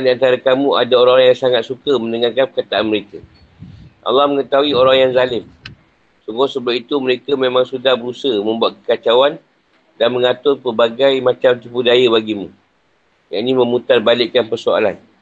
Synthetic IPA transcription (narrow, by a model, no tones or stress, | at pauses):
andiant̪aɾakamũa̰daoɾaŋjaŋsaŋat̪̚sukəmə̃ndəŋarkanpərkat̪aanməɾeka | ʔa̰lːɑhməŋət̪aɦuwioɾaŋjaŋzalɪm | suŋɡosəbap̚it̪uməɾekəmẽmãŋsudahbəɾusəmə̃mbuat̪̚kəkat͡ʃawan | danmə̃ŋat̪ʊrpərbaɡajmãt͡ʃamt̪ipudajaβaɡimṵ̃ | ja̰ʔnimə̃mut̪arbalɪʔkanpərsoa̰lan